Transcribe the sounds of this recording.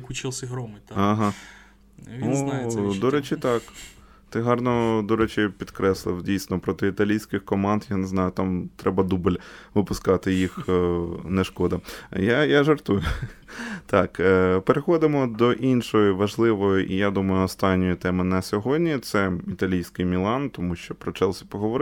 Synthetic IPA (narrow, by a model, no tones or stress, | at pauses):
kʊt͡ʃɪlˠsʲɪɦɾɔmɪɐɦɑ | nud̪ɔɾɛt͡ʃɪt̪ɑk | t̪ɪɦɑrnɔd̪ɔɾɛt͡ʃɪpʲid̪kɾɛslˠɪ̰wdʲijsʲnɔpɾɔt̪ɪit̪ɐlʲijsʲkɪxkɔmɑnd̪janeznɑjʊt̪ɑmt̪ɾɛbɐd̪ubɪlʲʋɪpʊskɑt̪ɪjix | nɛʃkɔd̪ɐjajaʒɐrt̪ujʊ | t̪ɑkːpeɾexɔd̪ɪmɔd̪ɔʔinʃɔjiʋɐʒlˠɪʋɔjʊʔḭjad̪umɐjʊɔst̪ɑnʲːɔjit̪ɛmɪnɐsʲɔɦɔdʲnʲit̪sɛit̪ɐlʲijsʲkɪjmʲilˠɑnt̪ɔmuʃt͡ʃɔpɾɔt͡ʃɛlˠsʲɐ̥pɔɦɔʋɔɾɪ